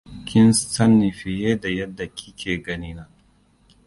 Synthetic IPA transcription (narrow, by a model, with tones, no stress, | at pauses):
kʲʰɪ˦nstɐ˦nːi˨ɸɪ˨jeː˦da˨jɐ˦dːa˨kʲʰi̥˦kʰʲeː˨ɡɐ˦niː˦naː˦